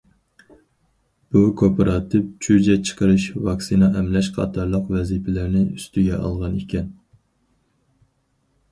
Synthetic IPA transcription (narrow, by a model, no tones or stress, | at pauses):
b̥ukʰopʰɑɾɑt̪ʰɨp̚t͡ʃʰyd͡ʒɛt͡ʃʰə̥qʰəɾɨʃvɑksinɑʔɛmlɛʃqʰɑ̰t̪ʰɑɾlˠəqvɛzipʰɪlɪɾnɪyst̪yɡʲɛʔɑ̰lˠʁɑnekʲɛn